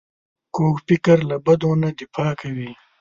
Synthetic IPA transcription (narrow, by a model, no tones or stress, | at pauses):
koːkpɪkɐɾlabɐd̪oːnad̪ɪfɑːkɐwi